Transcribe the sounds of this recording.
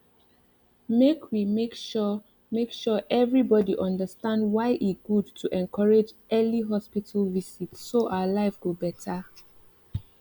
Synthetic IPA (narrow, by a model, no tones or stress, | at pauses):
mekʰwimekʃ | mekʃɔʔɛvɹibɔdiʔʌ̃ndəstãndwaɪʔiɡudtʰuʔɛ̃nkʰɔɹed͡ʒʔɛliɦɔspitʰəlvisitsːoʔaʊəlaɪfɡobɛtʰə